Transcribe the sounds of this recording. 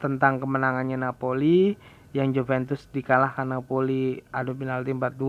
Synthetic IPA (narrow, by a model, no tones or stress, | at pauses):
t̪ənt̪aŋkəmənaŋanɲanapoli | jaŋd͡ʒovɛnt̪ʊsdikalahkanːapoliʔadopinalt̪impat̪̚du